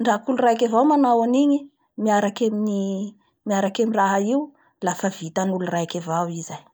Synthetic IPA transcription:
ɳɖ͡ʐakulurajkʲavawmanawaniɲi | miaɾakemini | miaɾakemiraɦaiw | lafəvit̪anulurajkavawizaj

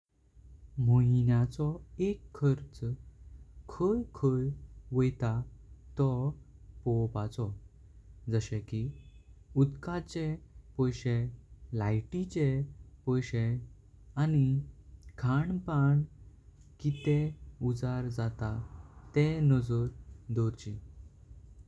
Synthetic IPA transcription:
moinjat͡sɔekʰːəɾt͡s | kʰəjkʰəjʋəjt̪at̪ɔpɔwpat͡sɔ | d͡zəɕɛ̃ki | ud̪kat͡ɕepɔjɕelajʈit͡ɕepɔjɕẽ | anikʰaɳpaɳ | kit̪eud͡zaɾd͡zat̪at̪ɛnəd͡zɔɾd̪ɔɾt͡ɕi

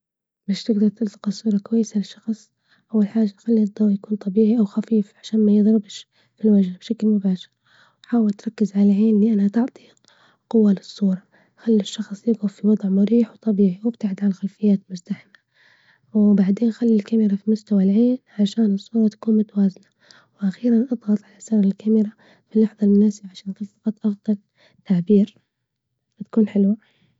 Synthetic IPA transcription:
baːʃt̪ɪɡd̪ɑɾˤt̪ɪlt̪ɪ̥qɑsˤuːɾˤɑkwajːɪsalɪʃːɑxsˤ | ʔawːalħaːʒːaxalːid̪ˤɑwʕjakuːnt̪ˤɑbiːʕiʔawxafiːfʕaʃaːnmajɨðˤɾɪbʃ | filwaʒbʃaklmʊbaːʃɪɾ | wħaːwɪlt̪ɾˤɑkːɪzʕalaʕeːnliʔanat̪ɑʕt̪ˤi | qʊwːalɨsˤːuːɾˤɑ | xalːɪʃːɑxsˤjɪɡʊfiwɑd̪ˤʕmʊɾiːħwt̪ˤɑbiːʕiwɪbt̪aʕd̪ʕalaxalfɪjːaːt̪mʊst̪aħɪma | wbaʕd̪eːnxalːilkamɪɾafimʊst̪awalʕeːnʕaʃaːnɨsˤːuːɾˤɑt̪ḁkuːnmʊt̪awaːzna | wʔaxiːɾanʔɑðˤɣɑt̪ˤʕalasaɾˤɪlkamɪɾa | filːɑħðˤɑlmʊnaːsɪbʕaʃaːnʔxɪlfɑqɑt̪ˤːʔɑfd̪ˤɑl | t̪ːaʕbiːɾ | fat̪ḁkuːnħɪlwa

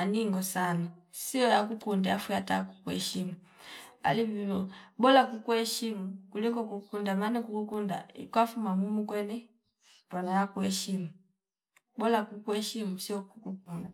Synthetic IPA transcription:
aniŋɡɔsanasiɔjakukundɛafujatakukuɛ̰ʃimu | a̰livilɔbɔlakukuɛʃimukulikɔkukundamanikukukunda̰ḭkwafumamumukwɛnɛ | banajakuɛʃimu | bɔlakukuɛʃimusiɔkukukunda

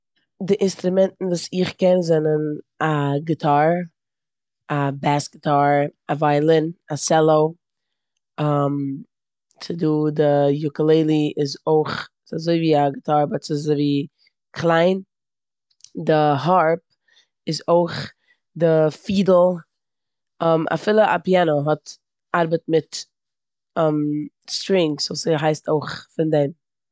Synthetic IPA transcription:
dɪʔɪnstɾʊmɛntn̩vuːsɪχkɛnzɛnən | aɡɪtʰaɾ | abasɡɪtʰaɾavaɪlˠɪnasɛlˠoʊ | am | t͡sɪduːdɪjʊkəlˠeɪlˠiɪzoɪχ | sazoɪviːaɡɪtʰaɾbɔt͡sɪzoviː | kʰlˠaɪn | dɪɦaɾp̚ | ɪzoɪχ | dɪfiːdl̩ˠ | ɔmʔa̰fɪlˠəʔa̰pianoɦɔt | aɾbətmɪt | ɛm | stɾɪŋksvuːsɦaɪstoɪχfɪndɛɪm

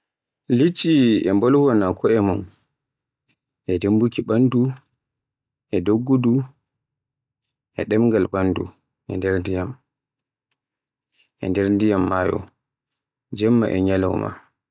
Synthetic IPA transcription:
lit͡ʃːiɛmbɔlɡɔnakʰɔɛmɔn | ʔɛdembukiɓandu | ʔɛdoɡːudu | ʔɛ̰ɗɛmŋɡalɓandṵ | ʔɛndɛɾndijam | ʔɛndɛɾndijamːaːjɔ̰ | d͡ʒɛmːa̰ʔɛ̰ɲala̰wma̰

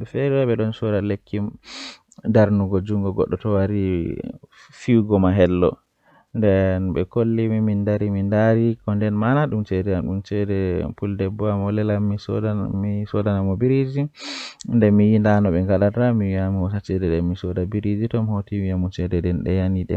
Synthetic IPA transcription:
ɛfeɾiwɛɓɛɗɔnsɔɾalekʰːim | daɾnuɡɔd͡ʒuŋɡɔɡɔ̰ɗːɔtɔwaɾi | fiwɡɔmaɦɛlːɔ̰ | ndɛnɓɛ̰kolːimimindaɾimindaɾikɔndɛnmanaɗumt͡ʃɛdɛanɗumt͡ʃɛdɛpuldɛbɔamɔlɛlamːisisɔdanamɔbiɾid͡ʒi | ndɛmijindanɔɓɛŋɡalatamiwiamiwɔsat͡ʃɛdɛdɛmmisɔdabiɾid͡ʒitɔmhotimiamut͡ʃɛdɛdɛnɗɛ̰janiɗɛ̰

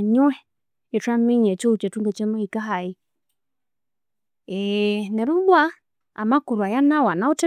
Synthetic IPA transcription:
ɲuɛ | ɛtwamiɲɛt͡ʃɔut͡ʃɛtuŋɡɛt͡ʃɛmɔhikaɦai | ɛnɛɾuɓwa | amakuɾwajanawanautɛ

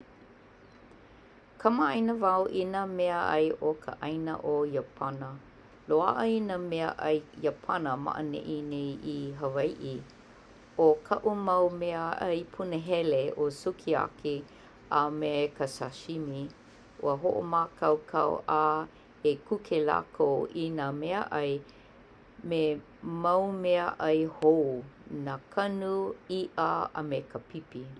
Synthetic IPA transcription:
kʰɐməɐjnəvawʔinəmɛəɐ̰jʔokʰə̰ʔɐjnə̰ʔojəpʰɐnə | loa̰ʔəinəmeəʔɐjjəpʰɐnəma̰ʔə̰nɛ̰ʔinejʔiɦəvɐjʔi | okʰɐʔumɐwmeəʔɐjpʰunəɦɛleosukʰia̰ki | amekəsaʃimi | ʔṵəɦoʔo̰maːkʰɐwkʰɐ̰wʔaː | ekukʰela̰kowinamɛəʔɐj | me | mɐwmɛəʔɐjhownakʰɐnuiʔəa̰mekəpʰipi

